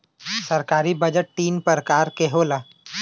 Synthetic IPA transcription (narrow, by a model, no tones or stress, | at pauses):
sɐɾkaːɾibɐd͡ʒəʈːiːnpəɾkaːɾkeɦoːlaː